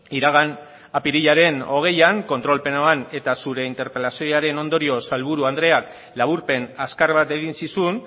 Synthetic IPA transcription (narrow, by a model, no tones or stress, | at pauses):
iɾaɣ̞an | apiɾiʎaɾe̞no̞ɣ̞e̞jaŋko̞nt̪ɾo̞lpe̞noane̞t̪asuɾe̞int̪e̞ɾpe̞lasioaɾe̞no̞nd̪o̞ɾio̞salβuɾuand̪ɾe̞ak | laβ̞uɾpe̞naskarβat̪e̞ɣinsisun